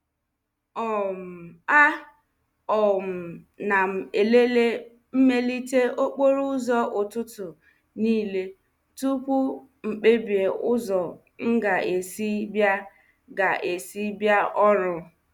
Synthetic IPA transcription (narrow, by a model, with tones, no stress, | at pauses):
ɔ˨m̩˨a˦ | ɔ˨m̩˨ | na˨m̩˨e˨le˦le˦ | m̩˦me˦li˦te˦o˦k͡po˦ɾu˦zɔ˦ʔʊ˨tʊ˦tʊ˨ | niː˦le˦ | tu˦pʊ˦ | ŋ͡m̩˨k͡pe˦bi˨e˨ʊ˦zɔ˨ | ŋ̩˦ɡa˨ʔe˨si˦bja˦ | ɡa˨ʔe˨si˦bja˦ʔɔ˦ɾʊ˦